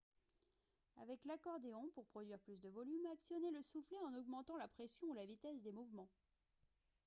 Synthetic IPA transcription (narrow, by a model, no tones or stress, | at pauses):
avɛklakɔʁd̪eɔ̃puʁpχɔd̪ɥiʁplys̬d̪əvɔlymaksjɔneləsufleɑ̃nɔɡmɑ̃t̪ɑ̃lapχesjɔ̃ulavit̪ɛsd̪emuvmɑ̃